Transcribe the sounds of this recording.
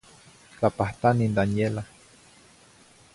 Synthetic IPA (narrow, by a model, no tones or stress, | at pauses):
t͡ɬapaht̪anind̪anjela